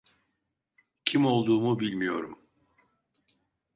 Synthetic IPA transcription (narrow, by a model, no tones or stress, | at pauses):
cʰimo̞lˠd̪uːmubilʲmijo̞ɾum